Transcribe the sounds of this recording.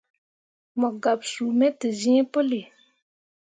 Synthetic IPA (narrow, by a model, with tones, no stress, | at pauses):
mɔ˨ɡa˨bsu˨mɛ˦tɨ˨zĩ˦ɛ˦pʊ˦lɪ˨